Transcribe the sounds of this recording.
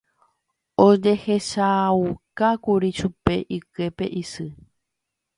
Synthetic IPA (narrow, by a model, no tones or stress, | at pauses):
od͡ʒe̞he̞ʃakakuɾiʃupe̞ʔike̞pe̞̰ʔisɨ